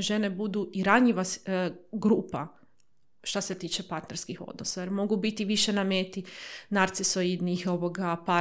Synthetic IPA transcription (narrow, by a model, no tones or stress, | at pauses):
ʒe̞ne̞bud̪uʔiɾaɲiʋasɡɾuːpa̰ | ʃt̪ase̞t̪iːt͡ʃepaɾt̪neɾskixo̞̰d̪nosajeɾmo̞ɡubit̪iʋiʃenameːt̪inaɾt̪sisojid̪nixo̞ʋoɡapa